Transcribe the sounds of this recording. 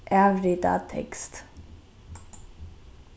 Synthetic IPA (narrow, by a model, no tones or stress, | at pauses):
ʔæʋɾɪt̪ɑ̰ːt̪ʰɛ̰kst̪